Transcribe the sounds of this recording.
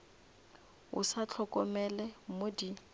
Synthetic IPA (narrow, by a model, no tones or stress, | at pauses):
ʊ̰sat͡ɬʰɔkʼɔmɛlɛmodi